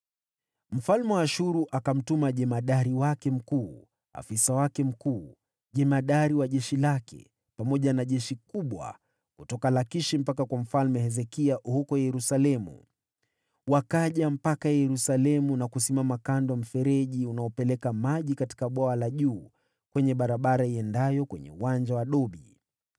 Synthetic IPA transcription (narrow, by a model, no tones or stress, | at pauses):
m̩falmɛwaaʃuɾuʔakam̩tumaʄɛmaɗaɾiwakɛm̩kuː | a̰fisawakɛm̩kuː | ʄɛmaɗaɾiwaʄɛʃilakɛ̰ | pamɔʄanaʄɛʃikuɓwa̰ | kutɔkalakiʃim̩pakakwam̩falmɛhɛzɛkiaʔhukɔjɛɾusalɛmṵ | wakaʄam̩pakajɛɾusalɛmunakusimamakandwɔm̩fɛɾɛʄiunaɔpɛlɛkamaʄikati̥kaɓwaalaʄuː | kwɛɲɛɓaɾaɓaɾaiɛndajɔkwɛ̰ɲɛ̰uwand͡ʒawaɗɔɓi